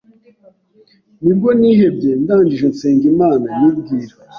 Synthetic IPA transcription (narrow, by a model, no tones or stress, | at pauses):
nibɡoniːhe̞bɟe̞ndaːɲd͡ʒiʒenseːŋɡimaːnajub̚ɡiːɾa